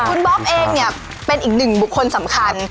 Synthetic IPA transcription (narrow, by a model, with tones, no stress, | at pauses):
kʰu˧nbɔ˦˥p̚ʔeː˧ŋ̚ni˦˥˩ɐ | pe˧nʔiː˨˩k̚nɯ˨˩ŋbu˨˩kʰːo˧nsa˩˦mkʰa˧n